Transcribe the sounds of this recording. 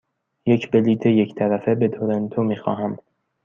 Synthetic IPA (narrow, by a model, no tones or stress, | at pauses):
jecʰbeliːt̪ʰeject̪ʰæɾæfebed̪ʰoɾent̪ʰomiːxɒ̰ːɦæm